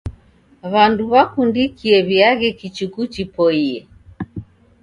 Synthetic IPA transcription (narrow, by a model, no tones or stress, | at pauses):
βanduβakundikiɛβiaɣɛkit͡ʃukut͡ʃipɔiɛ